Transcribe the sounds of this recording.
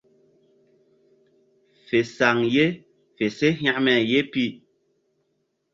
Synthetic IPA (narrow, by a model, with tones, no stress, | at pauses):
fe˨sa˨ŋje˦ | fe˨se˦ɦj̃a˦˨ʔmɛ˨je˦pi˦˨